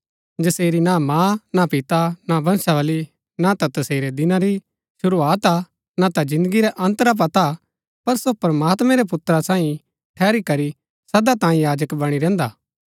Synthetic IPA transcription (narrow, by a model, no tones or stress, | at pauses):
d͡ʒɐseːɾinamãːnapɪt̪anabʱɐnsaʋɐli | nat̪at̪ɐseːɾed̪ɪnãɾi | ʃʊɾuaːt̪a | nat̪ad͡ʒɪ̃nd̪əɡiɾɛʔɐ̃nt̪ɾap̬ɐt̪a | pɐɾsopɐɾɐmaːt̪mɛ̃ɾɛp̬ʊt̪ɾasãːĩ | ʈʰɛːɾikɐɾi | sɐd̪at̪ãːĩjaːd͡ʒəkbɐɽ̃iɾɛ̃ːnd̪aː